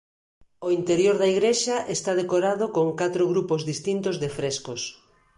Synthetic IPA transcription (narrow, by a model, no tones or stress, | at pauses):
oint̪eɾjoɾðɐiɣɾeʃɐʔest̪aðekoɾaðokoŋkat̪ɾoɣɾupozðist̪int̪ozðefɾeskos